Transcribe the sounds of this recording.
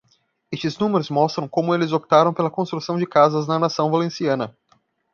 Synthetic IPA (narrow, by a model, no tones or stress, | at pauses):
est͡ʃɪznũmeɾʊzmɔst̪ɾɐ̃w̃kõmʊelɪzopi̥t̪aɾɐ̃w̃pelɐkõst̪ɾusɐ̃w̃d͡ʒɪkazɐznɐnasɐ̃w̃valẽsiɐ̃nɐ